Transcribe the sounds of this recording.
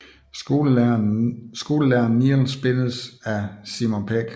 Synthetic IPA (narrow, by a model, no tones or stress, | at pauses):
o̝l | sɡ̥o̝ːləlæɐnnːil̩sb̥e̝nəsæsimonpʰeɡ̥